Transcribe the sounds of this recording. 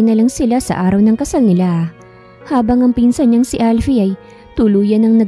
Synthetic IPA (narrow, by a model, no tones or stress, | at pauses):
nɐlaŋsɪlasɐ̰ʔaːɾɐwnɐŋkɐsalnɪla | haːbɐŋɐŋpiːnsɐɲɲɐŋsɪʔalfiʔɐj | t̪ʊluːjɐnɐŋnɐ